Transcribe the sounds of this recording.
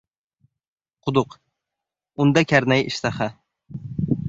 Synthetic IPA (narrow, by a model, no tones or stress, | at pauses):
qʰʊd̪ʊq | ʊnd̪akʲʰaɾnajɪ̰ʃt̪aχa